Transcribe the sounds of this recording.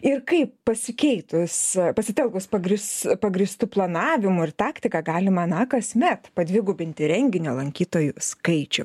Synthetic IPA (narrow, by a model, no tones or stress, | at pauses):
ɪrkɐɪppɐsʲɪkʲɛɪt̪ʊspɐsʲɪt̪ʲɛlˠkʊspɐɡɾʲɪspɐɡɾʲist̪uplˠɐnɑːʋʲɪmʊɪrt̪ɑːkt̪ʲɪkɐɡɑːlʲɪmɐnɐkɐsʲmʲɛt̪pɐd̪ʲʋʲɪɡʊbʲɪnʲt̪ʲɪɾʲɛŋʲɡʲɪnʲoːlˠɐŋʲkʲiːt̪oːjʊskɐɪt͡ʃʲʊ